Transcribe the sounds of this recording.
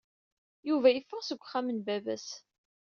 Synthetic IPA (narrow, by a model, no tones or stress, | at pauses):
juvæjəfːəʁsəɡʷːχæmənbævæs